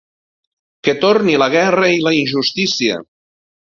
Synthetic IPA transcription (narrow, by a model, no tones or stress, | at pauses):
ket̪oɾniləɣ̞ɛrəilainʒust̪isiə̰